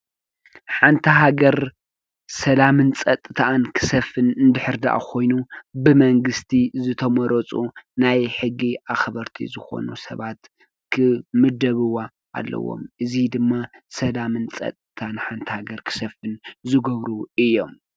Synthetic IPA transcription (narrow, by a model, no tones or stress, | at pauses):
ħant̪ʰɐɦaɡɐɾ | sɐlamɨnt͡sʼɐt̪ʼːɨt̪ʰankʰɨ̥sɐfɨnɨnd̪ɨħɨɾd̪a̰ʔa̰kʰo̞jnubɨmɐŋɡɨst̪ʰizɨt̪ʰɐmɔɾɔt͡sʼunajħɨɡːiʔaxβɐɾt̪ʰḭzɨxo̞̰nṵsɐ̰βat̪ | kʰɨmɨd̪ɐβɨwa | a̰lːɐ̰wːo̰mʔɨzid̪ɨmːasɐlamɨnt͡sʼɐ̰t̪ʼːɨt̪ʰanħant̪ʰɐhaɡɐɾkʰɨ̥sɐfɨnzɨɡɐβɾuɨjːo̞m